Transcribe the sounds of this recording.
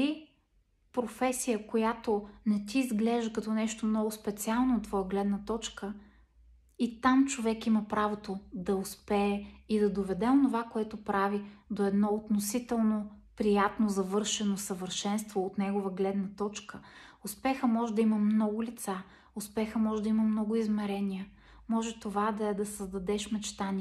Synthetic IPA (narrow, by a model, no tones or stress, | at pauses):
i | pɾofɛsijəkojat̪onɛt̪iːzɡlɛʒəkɐt̪ɔnɛʃt̪omnɔɡʊspɛt̪sialˠnoːt̪ːvɔjəɡlɛd̪nət̪ɔt͡ʃkə | it̪amt͡ʃovɛkiməpɾavot̪od̪ɐʊspɛːid̪ɐd̪ovɛd̪ɛonovakoɛt̪opɾavid̪oɛd̪nɔot̪nosit̪ɛlˠnopɾijat̪nozɐvɤɾʃɛnosəvəɾʃɛnst̪voːt̪nɛɡovəɡlɛd̪nɐt̪ɔt͡ʃkəʊspɛxəmɔʒɛd̪ɐiməmnɔɡʊlʲit̪sa | ʊspɛxəmɔʒɛd̪ɐimɐmnɔɡʊizmɛɾɛniə | mɔʒɛt̪ovad̪ɐɛd̪ɐsəzd̪ɐd̪ɛʃmɛt͡ʃt̪ani